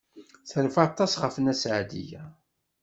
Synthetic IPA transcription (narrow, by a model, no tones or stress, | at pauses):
θəlfɑt̪ˤːɑsʁəfənæsʕd̪ḭjæ̰